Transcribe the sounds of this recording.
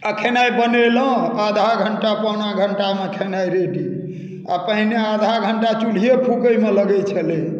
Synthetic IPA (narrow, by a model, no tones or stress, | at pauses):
əkʰenajbənelə̃ad̪ʱaɡʱəɳʈapəwnaɡʱəɳʈamekʰenajɾeɖi | a̰pəɦinead̪ʱaɡʱəɳʈat͡ʃul̤ijepʰukəjmeləɡɛjt͡ʃʰəle